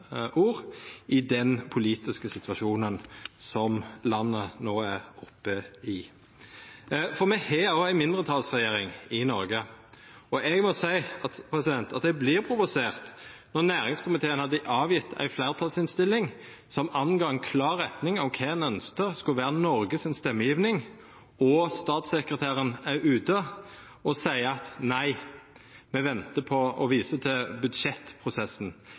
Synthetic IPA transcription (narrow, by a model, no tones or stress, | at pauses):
ʔuːʁʔɪd̪ɛnpʰʊliːt̪ɪskəsɪt̪ʋɑʂuːnənsɔmlɑnːənoːæʁɔpːəɪ | fɔʁmɛhɛoæɪmɪnd̪ʁət̪ʰɑlsʁɛjeːɾɪŋɪnɔɾɡə | ɔʔɛɡmɔsæɪɑt̪pʰɾɛsɪd̪ɛnt̪ɑt̪̚d̪ɛblɪːʁpʰɾʊʋʊseːʁt̪nɔʁnæːʁɪŋskʰʊmɪt̪ʰeːənhɑd̪ːəʔɑːʋjɪt̪ʰːæ̰ɪflæːʁt̪ʰɑlsɪnst̪ɪlːɪŋ | sɔmɑnɡɑːɛnkʰlɑːɾːɛt̪nɪŋɔʋkʰɛɛnœnskəskʉlʋæːʁənɔɾɡəsɪnst̪ɛmːəjiːʋnɪŋ | ɔst̪ɑːt̪sɛkɾət̪ʰæːɾənæʉːt̪ə | ɔsæɪəɑt̪næɪ | mɛʋɛnt̪əpʰɔɔʋiːsət̪ʰɪlbʉd̪ʃɛt̪ːpʰʁʊsɛsn̩